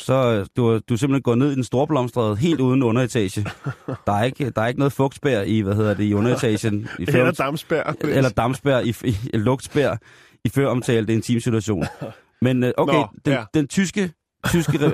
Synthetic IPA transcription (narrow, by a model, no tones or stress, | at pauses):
sɒ̽d̥uæd̥use̝mb̥l̩henɡɒ̰ːne̝ð̞̰ˠd̥ensd̥o̝ɐb̥lɒ̽msd̥ʁð̞̩ˠɦe̝̰ːld̥uːð̞ˠn̩ɔ̽nɐe̝t͡sʰɛ̰ɕəd̥ɑ̈æɐe̝ɡ̥əd̥ɑ̈æɐeɡ̥ənɔ̽ːð̩ˠfɔ̽ɡ̥d̥b̥æɐ̰iʋæɦe̝ð̞̰ˠɐd̥e̝iɔ̽nɐe̝t͡sʰɛ̰ːɕənifød̥msb̥æɐ̰elɐd̥ɑ̈msb̥æɐ̰iilɔ̽ɡ̥d̥sb̥æɐ̰ | iføɐɒ̽mt͡sʰɛːləd̥e̝ent͡sʰḭːmsit͡sʰuæɕo̝̰ːnn | menʔoʊeɪd̥end̥ent͡sʰysɡ̥ə | t͡sʰysɡ̥əʁ